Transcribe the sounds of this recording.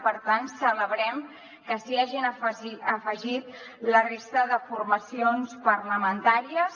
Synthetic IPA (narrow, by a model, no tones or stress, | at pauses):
pəɾt̪ansələβɾɛm | kəsiaʒinəiəfəʒit̪ | lərest̪əðəfurməsionspərləmənt̪aɾiəs